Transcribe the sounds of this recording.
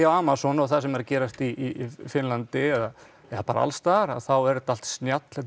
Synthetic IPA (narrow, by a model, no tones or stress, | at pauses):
awaːmasɔnawθaðs̬ɛmɛɾcɛːɾast̪iifɪnlant̪ɪɛða | ɛðapa̰ːɾa̰a̰lst̪aɾa̰ðθawɛɾt̪al̥t̪snjat̪l̥ɛt̪